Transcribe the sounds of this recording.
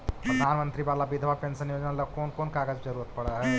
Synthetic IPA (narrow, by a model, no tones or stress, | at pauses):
pɾɐd̪ʱaːnmə̃nt̪ɾiʋaːlabid̪ʱʋapẽnsənjoːd͡ʒnaləkoːnkoːnkaɡəd͡ʒd͡ʒəɾuːɾət̪̚pɐɽəɦɛ